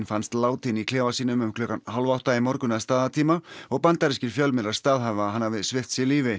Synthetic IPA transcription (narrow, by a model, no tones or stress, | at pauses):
nfanst̪laːwt̪ʰinikʰlɛːvasiːnʏmʏmkʰlœːkanhalvawht̪aimɔɾkʏnaðst̪aːðat̪ʰiːmaɔɣpant̪aɾɛscɪɾ̥fjœlmɛɾaɾst̪aːðɦavaɦanːavɪsvɪht̪sɪliːvɪ